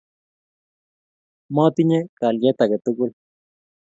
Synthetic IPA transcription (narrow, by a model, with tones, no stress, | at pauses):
mɔ˦t̪i˦ɲe˦ka˨lje˦t̪a˨ɡe˨t̪u˦ku˦l